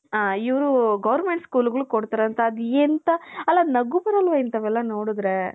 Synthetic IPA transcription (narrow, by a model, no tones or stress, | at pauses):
aiʋɐɾuɡɐʋɐɾmeɳʈskuːluɡɐɭukoɽt̪aːɾeɐnt̪ɐːd̪ent̪ɐɐlːɐnɐɡupɐɾɐlʋɐjint̪ɐʋɛlːɐnoːɽud̪ɾe